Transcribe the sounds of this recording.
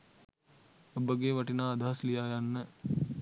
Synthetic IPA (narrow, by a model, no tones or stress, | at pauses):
obəɡeʋɐʈinaːd̪aɦaslijaːjanːə